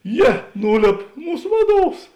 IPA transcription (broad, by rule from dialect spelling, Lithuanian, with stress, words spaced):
ˈjiɛ ˈnuːˌlʲeːp ˈmuːs ˈʋɑːˌduɔws